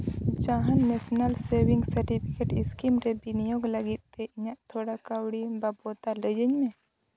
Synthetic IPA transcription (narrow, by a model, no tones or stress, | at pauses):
d͡ʒaɦanːɛsnalseɾbiŋɡsɐɾʈipʰikeʈiskimɾɛbinijoɡləɡit̪̚t̪ɛiɲaʔt̪ʰoɽakawɽibabɔt̪aləd͡ʒəɲmɛ̃